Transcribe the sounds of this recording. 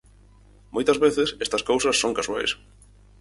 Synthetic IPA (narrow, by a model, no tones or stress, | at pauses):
mojt̪ɐzβeθesest̪ɐskowsɐsːõŋkasua̰js